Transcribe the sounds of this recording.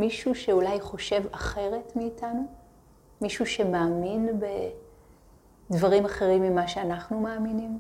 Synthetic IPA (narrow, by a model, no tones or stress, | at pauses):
miʃuʃe̞ulajχo̞ʃe̞vaχe̞ʁe̞tmiːtanu | miʃuʃe̞maːminbe | dvaʁimaχe̞ʁimːimaʃeanaχnumaːminim